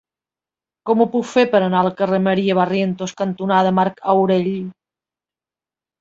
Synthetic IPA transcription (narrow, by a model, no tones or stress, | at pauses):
kɔmupukfeɾpəɾənalkərəməɾiəβarjent̪oskant̪unaðəmaɾkawɾeʎ